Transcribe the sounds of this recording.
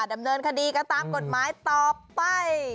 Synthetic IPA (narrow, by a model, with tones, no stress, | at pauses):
da˧mnɤː˧nkʰa˧diː˧ka˧t̪aː˧mko˨˩t̪̚maː˨˦˥jt̪ɔː˨˩pa˧j